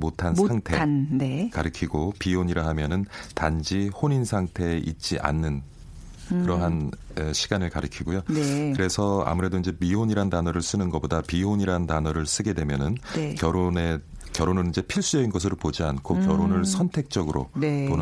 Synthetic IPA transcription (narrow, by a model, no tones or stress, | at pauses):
motʰansaŋtʰeekaɾɯkʰiɡopioɲiɾaɦamjʌnɯntand͡ʑihoɲinsʰaŋtʰe̞ʔit̚t͡ɕ͈iʔa̰nːɯn | kɯɾʌɦanɯɕʰiɡanɯɭkaɾɯkʰiɡojoneɯɾe̞sʰʌa̰muɾe̞doind͡ʑe̞mioɲiɾantanʌɾɯɭs͈ɯnɯnɡʌbodapiɦoɲiɾaɦntanʌɾɯɭs͈ɯɡe̞dwe̞mjʌnɯnkjʌɾone | kjʌɾonɯnid͡ʑe̞pʰiɭs͈ujʌinɡʌs̬ʰɯɾopod͡ʑiankʰokjʌɾonɯɭsʰʌntʰe̞k̚t͡ɕ͈ʌɡɯɾo̰epon